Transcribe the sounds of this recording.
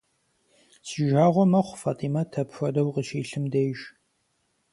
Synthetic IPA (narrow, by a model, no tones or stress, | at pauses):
siʒaːʁʷɔmɐχʷfaːtʼiːmatʰɐpxʷɐdɐwqəʃiːɬɨmdejʒ